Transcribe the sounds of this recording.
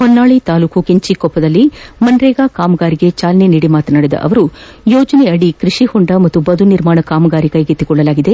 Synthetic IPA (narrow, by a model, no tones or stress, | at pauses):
hɔnːaːɭit̪aːluːkukeɲt͡ʃikɔpːɐd̪ɐlːimɐnɾɛːɡaːkaːmɐɡaːɾiɡe̞t͡ʃaːlɐneniːɽimaːt̪ɐnɐɽed̪ɐ̰ʔɐ̰ʋɐɾu | joːd͡ʒɐneɐɽikɾiʂihɔɳɖɐmɐt̪ːubɐd̪ʱuniɾmaːɳɐkaːmɐɡaːɾikɐjɡet̪ːiɡɔɭːɐlaːɡid̪e̞